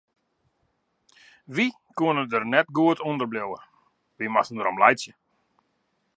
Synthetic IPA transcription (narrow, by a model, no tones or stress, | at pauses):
ʋi | kuənədərnɛt̚ɡuətʰondərblowə̰ | ʋimasən̩dəɾomlɛjsjə